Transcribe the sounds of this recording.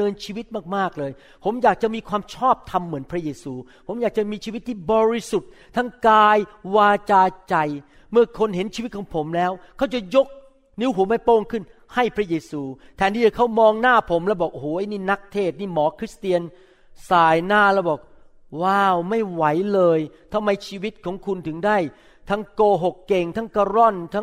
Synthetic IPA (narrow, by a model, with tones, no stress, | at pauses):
ɤː˧nt͡ɕʰiː˧wi˦˥t̪̚maː˥˩k̚maː˥˩k̚lɤː˧j | pʰo˩˦mjaː˨˩k̚t͡ɕa˨˩miː˧kʰwaː˧mt͡ɕʰɔː˥˩p̚t̪ʰa˧mːɯ˩˦ənpʰɾa˦˥jeː˧suː˧pʰo˩˦mjaː˨˩k̚t͡ɕa˨˩miː˧t͡ɕʰi˧wi˦˥t̪ʰːiː˥˩bɔː˧ɾi˦˥su˨˩t̪̚ | t̪ʰa˦˥˩ŋkaː˧jwaː˧t͡ɕaː˧t͡ɕa˧j | mɯ˥˩ɐkʰo˧nhe˩˦nt͡ɕʰiː˧˦t̪̚kʰɔː˩˦ŋpʰo˩˦mlɛː˦˥wkʰa˦˥wt͡ɕa˨˩jo˦˥k̚ | ni˦˥wɦu˨˩˦əmaː˧˩poː˥˩ŋkʰɯ˥˩n | ha˥˩jpʰɾa˦˥jeː˧suː˧t̪ʰɛː˨˦nt̪i˥˩a˨˩kʰa˦˥wmɔː˧ŋnaː˥˩pʰo˩˦mlɛː˦˥wbɔː˨˩k̚ʔo˧hoː˨˩˦ʔa˧˩jniː˥˩na˦˥k̚t̪ʰeː˥˩t̪̚niː˥˩mɔː˨˦kʰɾi˦˥st̪i˧ən | saː˨˩jnaː˥˩lɛː˦˥wbɔː˨˩k̚ | waː˥˩wma˥˩jwa˩˦jlɤː˧jt̪ʰa˧mːa˧jt͡ɕʰiː˧wi˦˥t̪̚kʰɔː˨˩˦ŋkʰu˧nt̪ʰɯ˩˦ŋdaː˥˩j | t̪ʰa˦˥ŋkoː˧ɦo˨˩kːe˨˩ŋt̪ʰa˦˥ŋkaː˧ɾɔ˥˩nt̪ʰa˦˥ŋ